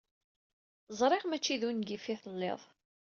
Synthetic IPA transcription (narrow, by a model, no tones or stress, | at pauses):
zˤɾˤeʁmæt͡ʃːiðunɡifiθəlːɪ̰ðˤ